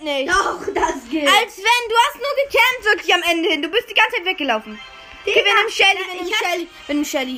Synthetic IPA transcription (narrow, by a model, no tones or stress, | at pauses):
neɔχd̥asɡ̥ɪalsv̥ɛnduːhastnuːɐɡəkʰɛmtv̥ɪɐkʰlɪçamʔɛndəhɪnduːbɪstd̥iːɡant͡shaɪtvɛk̚ɡ̥əlaʊfn̩ | ɡvɪnəmʃɛliɛɪal | vɪnmʃɛli